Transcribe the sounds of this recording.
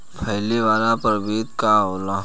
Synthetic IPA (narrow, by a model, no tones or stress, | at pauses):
pʰɐɦleʋaːlapəɾbeːt̪kaɦoːlaː